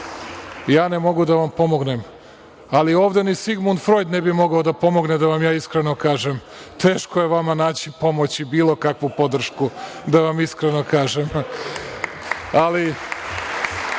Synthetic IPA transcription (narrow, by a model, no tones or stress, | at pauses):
jaːnemo̞ɡud̪aʋampo̞mo̞ɡnem | alio̞ːʋd̪enisiɡmund̪fɾo̞jd̪nebimo̞ɡaod̪apo̞mo̞ɡned̪aʋamjaːiskɾeno̞kaːʒem | t̪e̞ːʃkoje̞ʋamanaːt͡ɕipo̞mo̞t͡ɕibiːlˠo̞kakʋupo̞d̪r̩ʃkud̪aʋamiskɾeno̞kaːʒem | ali